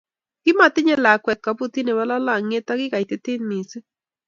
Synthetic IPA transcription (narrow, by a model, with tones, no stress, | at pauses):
kɪ˦ma˨t̪ɪ˦ɲɛ˦la˨kwɛ˨t̪̚ka˨pu˦t̪i˦ne˨βa˦la˦la˨ŋe˦t̪a˦ɣɪ˦ɣa˨i˨t̪e˦t̪ɪ˦nːi˨se˦